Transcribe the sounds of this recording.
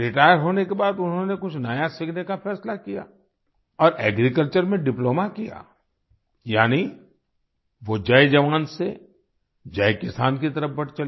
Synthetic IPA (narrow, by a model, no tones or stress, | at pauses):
ɾɪʈaːjəɾɦoːnekebaːd̪ʊnɦõnekʊt͡ʃʰnəjasɪkʰnekafʰɛːslakija̰ː | ɔːɾɛːɡɾikəlt͡ʃəɾmẽɖɪploːmakija̰ː | jaːni | ʋod͡ʒaːed͡ʒɐʋaːnse | d͡ʒaːekɪsaːnkit̪ɐɾəfbɐɾt͡ʃɐl